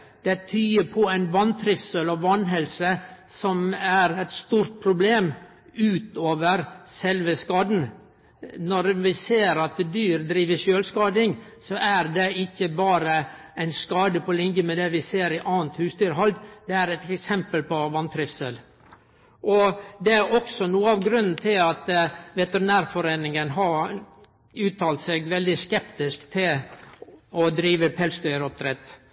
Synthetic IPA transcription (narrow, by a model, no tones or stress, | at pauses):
d̪̥ɛt̪ʰyːəpʰɔæɪnʋɑnt̪ʰɾɪfsølɔʋɑnɦɛlsəsɔmæɾæt̪st̪uːɾt̪̚pʰɾʊbleːm | ʉːt̪oːʋəɾsɛlʋəskɑːd̪n̩ | nɔɾʋɪseːɾɑt̪̚d̪ɛd̪yːɾd̪ɾiːʋəʃøːlskɑːd̪ɪŋ | sɔʔæɾd̪ɛɪçːəbɑːɾə | æɪnskɑːd̪əpʰɔlɪŋjəmɛd̪ɛʋɪseːɾɪʔɑːənt̪hʉːsd̪yːɾɦɔld̪d̪̥ɛæɾɛt̪ɛksɛmpəlpɔʋɑnt̪ʰɾɪfsəl | ʔɔd̪ɛæɾɔksɔnuːəɑʋɡɾʉnːn̩t̪ʰɪlɑt̪ʋɛt̪əɾɪnæːɾfɔɾeːnɪŋənɦɑɾ | ʉːt̪ʰɑːlt̪seɡʋɛld̪ɪskɛpt̪ɪskt̪ʰɪl | ɔd̪ɾiːʋəpʰɛlsd̪œʏɾɔp̚d̪ɾɛt̪ː